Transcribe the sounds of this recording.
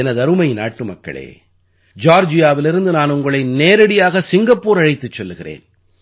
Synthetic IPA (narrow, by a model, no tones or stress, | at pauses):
ɛnɐðɐɾɯmɐɪna̰ːʈːɯmɐkːɐ̰ɭḛː | d͡ʒaːɾd͡ʒɪjaːʋɪlɪɾɯnd̪ɯnaːnʊŋɡɐɭɐɪneːɾɐɽɪjaːɣɐsɪŋɡɐpːuːɾɐɻɐɪt̪ːɯt͡ʃːɛlːɯɣɪrḛːn